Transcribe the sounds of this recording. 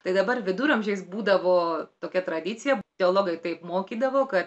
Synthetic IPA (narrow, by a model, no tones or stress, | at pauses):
t̪ɐɪd̪ɐbɐrʋʲɪd̪uːɾɐmʲʒʲɛɪsbuːd̪ɐʋoːt̪oːkʲɛt̪ɾɐd̪ʲɪt̪t͡ssʲɪjɛt̪ʲɛoːlˠoːɡɐɪt̪ɐɪpmoːkʲiːd̪ɐʋoːkɐt̪